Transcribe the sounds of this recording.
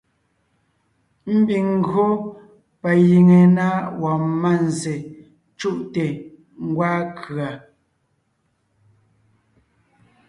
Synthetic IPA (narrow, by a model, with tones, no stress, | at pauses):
m̩˦bi˨ŋ̩˦˨ɡɰo˦ | pa˨ji˨ŋe˨na˦wɔ˨ma˦˨n˨ze˨ | t͡ʃu˦˨ʔte˨ | ŋ̩˦ɡwaː˦kʰɰa˨